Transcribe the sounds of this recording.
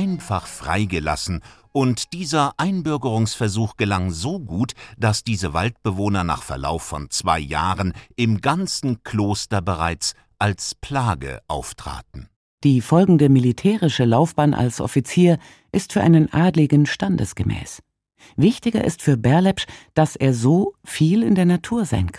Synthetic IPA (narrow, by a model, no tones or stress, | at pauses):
ʔaɪnfaχfʁ̥a̰ɪɡəla̰sn̩ʔʊntd̥iːzɐʔaɪnbʏɐɡəʁʊŋsfɛɐzuːxɡ̥əlaŋzoːɡuːtd̥asd̥iːzəvaltb̥əvoːnɐna̰ːχfɛɐla̰ʊfːɔ̰nt͡sv̥aɪja̰ːʁənʔɪmɡant͡sn̩kʰl̥oːstɐbəʁaɪt͡s | ʔalspʰl̥aːɡə̰ʔaʊftʁ̥a̰ːtn̩ | d̥iːfɔlɡŋ̩dəmilitʰɛːʁɪʃəlaʊfb̥aːnʔa̰lsʔɔ̰fit͡siːɐ | ʔɪstfyːɐʔa̰ɪnənʔaːdlɪɡn̩ʃtandə̰sɡ̥əmʔɛ̰ːs | vɪçtɪɡɐ̰ʔɪ̰stfyːɐbɛɐlɛpʃd̥asʔeːɐzoːfiːlɪndeːɐnatʰuːɐza̰ɪnkʰ